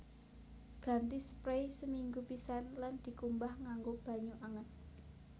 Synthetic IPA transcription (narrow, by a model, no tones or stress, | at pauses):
ɡ̥ä̤nt̪ispɾejsəmiŋɡupisanland̪̥i̤kumbahŋaŋɡob̥a̤ɲuʔaŋən